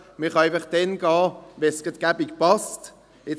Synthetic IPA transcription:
mɪχɑæɪfəχd̥̪ɛnɡ̥ɑːʋɛsɡ̥ɛt̪ɡ̥abiɡpɑst | ɪ

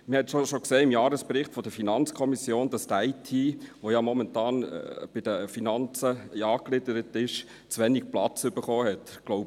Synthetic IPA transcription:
məhɛt̪ʃoʃokseːɪmjɑːɾəsb̥ɾɪχtfɔd̥̪əfinɑnt͡skʰɔmisjoːnd̥ɑst̪æɪtʰiːʋojɑmɔmɛntɑːn̰b̥ɪd̥̪əfinɑnt͡səjɑːklɪdəɾətɪʃ | t͡sʋɛnik̚plɑt͡sʏbəɾχoːɦɛtɡ̥lɔʊb

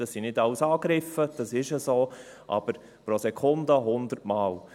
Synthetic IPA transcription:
ɑsinɪdɑlsɑːɡɾɪfəd̥ɑsɪʃəsoːʔɑ̰b̥əɾ | pɾosɛkʰʊndəɦʊnd̪əɾtmɑːl

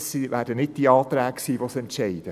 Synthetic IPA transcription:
siʋæːd̥ənɪt̚d̥iɑːt̪ɾæːkksiːʋosɛntʃɛɪd̥ə

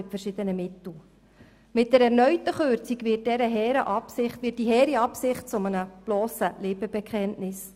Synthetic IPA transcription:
ɪtfəɾʃɪd̥̪ənəmɪt̪l̩ | mɪtd̥ɛɾɛɾnœʏtəχøːɾt͡sikvɪːt̚d̥ɛɾəɦɛːɾəʔɑpsɪχtʋɪt̚d̥iɦɛːɾiɑpsɪχt̚t͡sʊmənəb̥lɔːsəleːbəbɛkʰχɛntnɪs

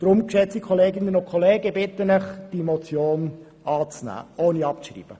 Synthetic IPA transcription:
d̥ɾʊmkʃɛt͡sikʰɔleːɡɪnənʊnkʰɔleːɡəbɪt̪ːənɪχd̥imot͡sjoːn | ʔɑːt͡snæ̰ːʔoːniɑpʃrḭːb̥ə

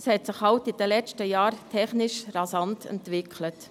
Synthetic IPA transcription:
shɛtsɪχhɑltid̥əlɛt͡ʃtəjɑːɾtʰɛχnɪʃrɑsɑntʰɛ̰ntʋɪkʰlət

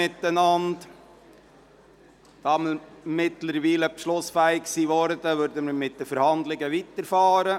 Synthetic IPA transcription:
ɪt̪ːənɑnt | d̥ɑːməɾmɪtləɾʋiːləpʃlʊsfæɪkksiːʋɔɾd̪əʋøɾdəməɾmɪt̚d̥̪əfəɾhɑnd̪lɪɡəʋitəɾfɑːɾə

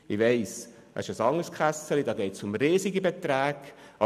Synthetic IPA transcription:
ɪʋɛɪs | ɑ̰ɪʃəsɑŋəskχæsəlidɑːɡeɪtsʊmɾiːziɡəbet̪ɾæːɡ̥ʔɑ

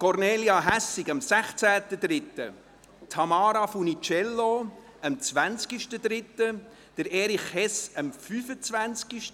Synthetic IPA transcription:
kɔɾneːliɑɦæsɪɡɑmsæχt͡sæːt̪əd̪ɾɪt̪ːə̰ | t̪ʰɑmɑːɾɑfunit͡ʃɛlːo | əmt͡sʋænt͡skiʃtəd̪ɾɪt̪ːə | d̪̥əɾɛːɾiχhɛsəmfyːfət͡svænt͡skiʃt

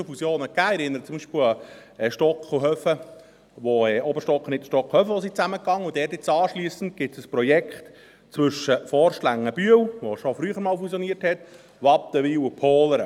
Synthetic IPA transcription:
ofusjoːnəkæːɛɾɪnːəɾət͡sʊmbiːʃpɪlɑɛʃtɔkχuɦœfə | ʋoɛːʔɔbəɾʃtɔkχənɪtʃtɔq͡χχhœfəʋosit͡sæməkɑŋːəudɛrtɪt͡sɑːʃliːəsən̩t̚ɡ̥ɪtsəspɾɔjɛkχt | t͡sʋʏʃəfɔːrʃlæŋːəb̥yəwʋoʃofɾyːχəɾmɑːlfusjɔniərthɛt̪ | ʋɑtːəʋiːwupʰoːləɾ

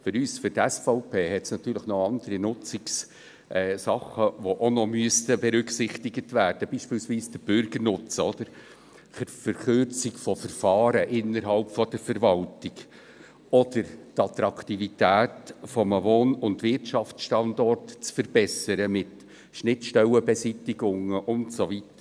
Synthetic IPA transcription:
fʏɾyːsfʏɾtɛsfɔʊpʰeːɦɛtsnɑt̪yːɾləχnɔɑnd̥̪əɾinʊt͡sɪks | ʔɛːsɑχəʋoʔonɔmyəst̪əbɛɾʏksɪχtɪɡətvæːɾd̥əb̥iːʃpɪːlsviːsd̥əb̥ʏɾɡəɾnʊt͡səɔd̪̥əɾ | fəɾfəɾχøɾt͡sɪkfɔfəɾfɑːɾəʔɪnəɾɦɑlpfɔd̥əɾfəɾvɑltɪɡ | ɔd̥əɾtɑt̪ɾɑkʰtivitæːtfɔməvoːnʊndvɪrtʃɑft͡sʃtɑndɔrtt͡sfəɾb̥ɛsəɾəmɪt | ʃnɪtʃtɛləbɛsitːɪɡʊŋəʔʊntsovitə

